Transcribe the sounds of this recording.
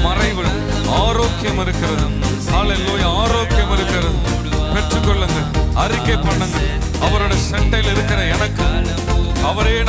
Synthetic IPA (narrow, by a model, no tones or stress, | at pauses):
mɐrɐɪʋɯɭ | aːɾoːkɪjɐmɪɾɯkːɪrɐðɯ | kaːɭɛlːoːjaːɾoːkɪjɐmɪɾɯkːɪɾɐðɯ | pɛʈrɯkːɔɭːɯŋɡɐɭɐɾɪkːɐpːɐɳːɯŋɡɐɭ | ɐʋɐɾɯɽɐsɛʈːɐɪlɪɾɯkːɪrɐɛnɐkːɯ | ɐʋɐɾeːɽ